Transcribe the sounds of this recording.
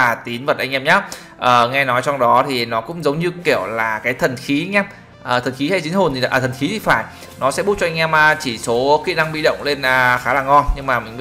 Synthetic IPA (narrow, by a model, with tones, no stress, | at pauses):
aː˨˩t̪i˨˦ənvə˨˩t̚ʔa˧jŋʔɛ˧mɲaː˨˦˥ | ʔəː˨˩ŋɛ˧nɔ˨˦jt͡ɕɔ˧wŋ͡mɗɔ˨˦t̪ʰi˨˩nɔ˨˦kʊ̰˧˥ŋ͡mzə˨˦wŋ͡mɲɨ˧ki˧˩əwlaː˨˩kaː˨˦jt̪ʰə˨˩nxi˨˦ɲɛ˧m | ʔəː˨˩t̪ʰə˨˩nxi˨˦ha˧˩jt͡ɕi˨˦nho˨˩nt̪ʰi˨˩a˨a̰ː˧˩t̪ʰə˨˩nxi˨˦t̪ʰi˨˩faː˧˩j | nɔ˨˦sɛ̰˧˥ɓu˦˥t̚t͡ɕɔ˧a˧jŋ̟ʔɛ˧maː˨˩t͡ɕi˧˩so˨˦kḭ˧˨na˧ŋɓḭ˧˨ɗə̰˧˨wŋ͡mle˧nʔəː˨˩xaː˨˦laː˨˩ŋɔ˧nɲɨ˧ŋmaː˨˩mï˨˩ŋ̟ɓ